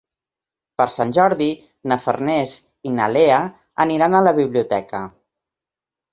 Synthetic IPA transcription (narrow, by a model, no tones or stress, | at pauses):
pəɾsanʲʒɔɾði | nəfə̰rnɛz | inəleə | əniɾanələβiβliut̪ɛkə